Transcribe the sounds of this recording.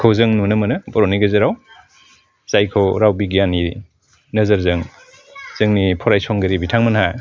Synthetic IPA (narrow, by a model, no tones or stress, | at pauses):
kʰowzɯŋnunɐmɐnɯbɔɾɔniɡɯzɯɾaw | zajkʰowɾawbiɡijani | nɐzɐɾzɯŋ | z̥ɯŋnipʰɔɾajsʰɔŋɡɯɾibitʰaŋmɐnɦaj